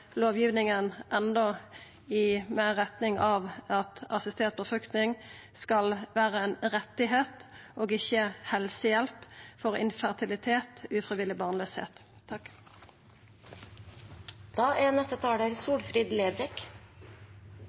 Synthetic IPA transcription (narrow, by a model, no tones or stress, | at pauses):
loːʋjiːʋnɪŋənʔɛnd̪ɔ | ɪmæːʁɛt̪nɪŋʔɑːʋɑt̪ɑsɪst̪ʰeːt̪̚pʰɔfɾʏkt̪nɪŋskɑlʋæːʁəɛːnʁɛt̪ːɪɦeːt̪oːɡɪçːəhɛlsəjɛlpfɔʁɪ̰nfæʁt̪ʰɪlɪt̪ʰeːt̪ʉːfʁɪʋɪlɪbɑːʁnløːshḛːt̪ | d̪̥ɑːʔænɛst̪ət̪ʰɑːɽəɾsuːɽfɾid̪leːdɾɛk